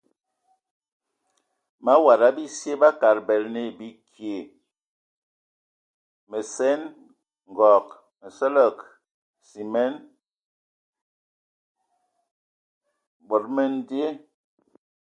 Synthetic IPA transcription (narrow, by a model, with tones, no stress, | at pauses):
ma˦wa˨ɾa˦bi˦sje˦ba˦ka˨ɾbɛ˨lne˦˨bi˦kʰje˨ | me˨sɛ˦n | ŋ˨ɡɔ˨k | mə˨sə˦lə˦˨k | si˨mɛ˦n | bo˨ɾme˦n˦di˦e˦